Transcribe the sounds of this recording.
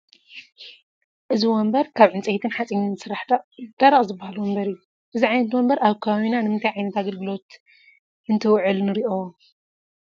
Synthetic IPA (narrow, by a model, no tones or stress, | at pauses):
ʔɨziwɔmbɐɾkʰaβʕɨnt͡sʼejt̪ʰɨnħat͡sʼiɲnsɨɾaħd̪̥aɾɐχʼzɨbahaluwɔmbɐɾijːu | ʔɨziʕajnɐt̪wɔmbɐɾʔaβkʰɐβaβinanɨmɨnt̪ʰajʕajnɐt̪aɡɐlɡɨlo̞t̪ | ɨnt̪ʰɐwʕɨlnɨɾiʔo